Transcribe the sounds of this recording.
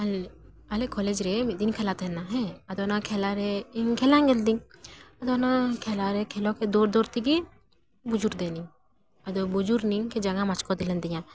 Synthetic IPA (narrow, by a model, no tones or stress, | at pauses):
ɐl | ɐlekɔled͡ʒɾed̪inkʰeɛlat̪enaɦɛ̃ɐd̪onãkʰelaɾeiŋkʰɛlãŋɡeld̪iŋɐd̪onãkʰelaɾekʰeloked̪oːɾd̪oːɾt̪iɡi | bud͡ʒuɾd̪eːniŋ | ɐd̪obud͡ʒuɾniŋked͡ʒɐŋãmat͡ʃkɔd̪ilənd̪ijãː